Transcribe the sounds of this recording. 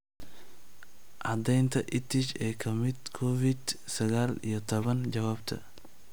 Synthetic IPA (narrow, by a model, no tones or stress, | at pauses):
ʔɑd̪ɛjnt̪ʰɐʔɪt̪ʰɪt͡ʃɛːkʰɐmɪd̪kʰɔfɪd̪ | sɐɣaːlḭjɞt̪ʰɔβɐnt͡ʃɐwaːbt̪ʰɐ̰